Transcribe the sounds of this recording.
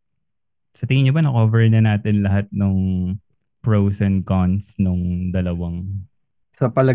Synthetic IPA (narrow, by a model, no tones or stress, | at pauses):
sɐt̪ɪŋɪɲobɐnɐkoːvɛɹnɐnaːt̪ɪnlɐɦat̪̚nʊŋ | pɹowsɐnkɔnsnʊŋd̪ɐlɐwɐŋ | sɐpɐlɐ